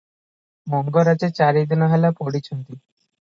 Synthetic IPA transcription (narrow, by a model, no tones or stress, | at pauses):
mɔŋɡoɾad͡ʑet͡ɕaɾid̪inɔɦelapoɽit͡ɕond̪i